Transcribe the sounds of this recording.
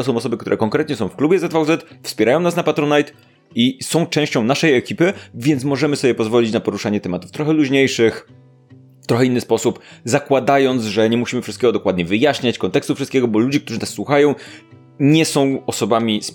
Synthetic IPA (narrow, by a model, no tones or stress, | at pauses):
t̪ɔs̬ɔ̃w̃ɔsɔbɘkt̪uɾɛkɔ̃ŋkɾɛt̪ɲɛsɔ̃w̃fklubʲjɛzɛt̪fawzɛt̪fspʲjɛɾajɔ̃w̃nasnapat̪ɾɔnajt̪ | isɔ̃w̃t͡ʂɛ̃w̃ɕt͡ɕɔ̃w̃naʂɛjɛkʲipɘvʲjɛnt̪mɔʐɛmɘsɔbʲjɛpɔzvɔlʲit͡ɕnapɔɾuʂaɲɛt̪ɛmat̪u̥ft̪ɾɔxɛluʑɲejʂɘx | t̪ɾɔxɛinːɘspɔsupzakwad̪ajɔnt̪zʐɛɲɛmuɕimɘfʂɨst̪kʲɛɡɔd̪ɔkwad̪̚ɲɛvɘjaɕɲat͡ɕkɔnt̪ɛkst̪ufʂɨst̪̚kʲɛɡɔbɔlud͡ʑɛkt̪uʐɘnasːwuxajɔ̃w̃ | ɲɛsɔ̃w̃ɔsɔbamʲis